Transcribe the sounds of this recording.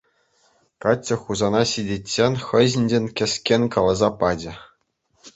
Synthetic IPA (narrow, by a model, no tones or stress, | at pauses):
kɑt͡ɕʲːɘ̆xuzɑnɑɕidʲetʲːenʲχɤ̆ʑɘ̆nʲd͡ʑʲenʲkʲɘ̆skʲenʲkɑlˠɑzɑpɑd͡ʑɘ̆